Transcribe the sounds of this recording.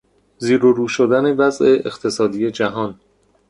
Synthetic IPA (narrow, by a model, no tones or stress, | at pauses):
ziːɾoɾuːʃod̪æne̞væzʔe̞ʔext̪ʰe̞sɒːd̪ije̞d͡ʒæɦɒːn